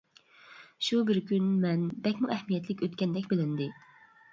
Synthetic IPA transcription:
ʃubɪɾkʲʰynmɛnbɛkʲmuʔɛhmijɛt̪ʰlɪkʲøt̪kʲɛnd̪ɛkʲbɪlɪnd̪ɪ

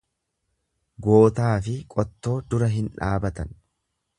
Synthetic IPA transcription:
ɡo̞ːt̪aːfɪkʼɔt̪ːo̞ːd̪ʊɾɐɦɪnᶑaːbɐt̪ɐn

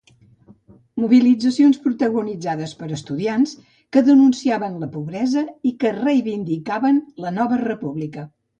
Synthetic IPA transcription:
muβilid͡zəsionspɾut̪əɣunid͡zaðəspəɾəst̪uðians | kəðənunsiaβənləpuβɾɛzəikərəjβind̪ikaβənlənɔβərəpuβlikə

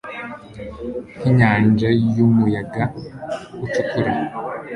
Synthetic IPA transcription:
n̥iɲaːnd͡ʒajumujaɡa | ut͡ʃutuɾe

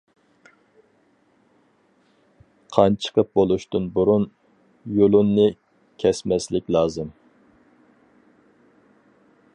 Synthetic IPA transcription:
qʰɑnt͡ʃʰə̥qʰəp̚bolˠuʃt̪ɨnbuɾun | jolˠunːɨ | kʲʰɛsmɛslɪkʲlˠɑːzɨm

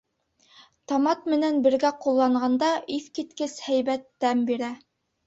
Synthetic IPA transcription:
t̪ɑmɑt̪mɘ̆nænbɘ̆ɾɡæqulˠːɑɴɢɑnd̪ɑʔiθkit̪kɘshæjbæt̪ːæmbiɾæ

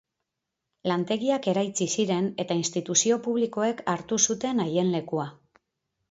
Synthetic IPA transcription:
lant̪e̞ɣiake̞ɾajt͡sisiɾe̞ne̞t̪ainst̪it̪usio̞puβliko̞e̞kʰaɾt̪usut̪e̞naje̞nle̞kua

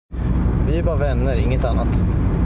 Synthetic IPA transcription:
vɪæɾbɑːɾvɛnːəɾɪŋːət̪anːat̪

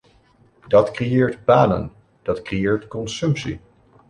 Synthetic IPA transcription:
dɑtkrejeːɹtbaːnə̰n | d̥ɑtkrejeːɹtkɔnsɵmpsḭ

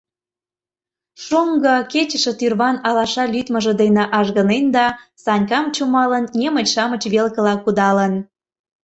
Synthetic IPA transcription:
ʃoŋɡəket͡ɕəʃĕt̪yrβɑnɑlɑʃɑlyt̪mə̆ʒə̆d̪enĕʔɑʒɣənend̪ɑsɑnʲkɑmt͡ɕumɑlənːʲemət͡ɕʃɑmə̆t͡ɕβelkə̆lɑkud̪ɑlən

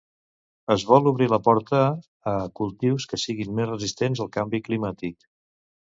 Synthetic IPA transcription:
əzβɔlˠuβɾiləpɔɾt̪əː | kulˠt̪iwskəsiɣinmezrəzist̪enzəlˠkambiklimat̪ik

